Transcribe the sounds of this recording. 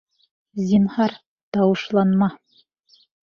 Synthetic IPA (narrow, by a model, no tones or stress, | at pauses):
zʲinhɑɾ | t̪ɑwɤ̆ʃlˠɑnmɑ